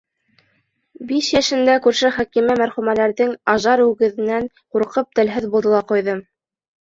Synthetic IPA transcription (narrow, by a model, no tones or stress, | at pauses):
biʃjæʃɘ̆nd̪ækʉɾʃɘχækimæmæɾχʉmælæɾðɘŋɑʒɑɾʉɡɘ̆ðɘ̆næŋ | quɾqɤp̚t̪ɘ̆lɦɘðbulˠd̪ɤ̆lˠɑqujðɤm